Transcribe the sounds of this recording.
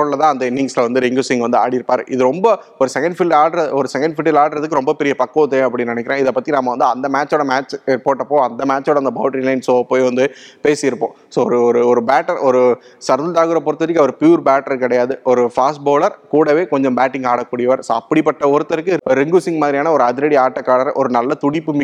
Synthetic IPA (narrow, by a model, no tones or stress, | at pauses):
oɽlɐt̪ãːɐnd̪ɐɪnːɪŋɡsɪlɐʋɐnd̪ɯɾɪŋɡuːsɪŋɡʋɐnd̪ɯa̰ːɽɪɪɾɯpːaːɾɯ̰ʔɪðɯɾɔmbɐɔɾɯsɛkɐɳɖfɪlɖaːɽɐɾɐɔɾɯsɛkɐɳɖfɪʈːɐlaːɽɾɐðɯkːɯɾɔmbɐpɛɾɪjɐpɐkːõt̪ːɐ̃ɐpːɐɽɪnɪnɛkːɪɾẽːɪðɐpːɐt̪ːinaːmɐʋɐnd̪ɯɐnd̪ɐmaːt͡ʃːoːɽɐmaːt͡ʃpoːʈːɐpːoːɐnd̪ɐmaːt͡ʃːoːɽɐnd̪ɐbɐːʈɐɾilɐɪnsoːʋɐpːoːjʋɐnd̪ɯpeːsɪjɪɾɯpːõː | soːɔɾɯɔɾɯɔɾɯbaːʈːɐɾɔɾɯsɐɾðɐlt̪aːɣɯɾɐpɔːɾɯt̪ːɐðɯkːɯɐʋɐɾɯpjuːɾbaːʈɐɾkɪɽɐjaːðɯɔɾɯfaːsʈ̚boːlɐɾkuːɽɐʋeːkɔɲd͡ʒɔ̃mbaːʈːɪŋɡaːɽɐkːuːɽɪjɐʋaːɾsoːɐpːɐɽipːɐʈːɐɔɾɯt̪ːɐɾɯkːɯɾɛŋɡusɪŋɡmaːðɪɾɪjaːnɐɔɾɯɐðɪɾɐɽiaːʈːɐkːaːɽɐɾɔɾɯnɐlːɐt̪ʊɽɪpːɯmɪ